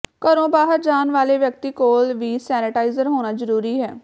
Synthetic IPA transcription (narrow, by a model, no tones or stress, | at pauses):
kəɾõːbaːɦəɾd͡ʒaːnʋaːleːʋjək̚t̪iːkoːlʋiːsɛːnɪʈaːɪzəɾɦoːñaːzəɾuːɾiːɦɛː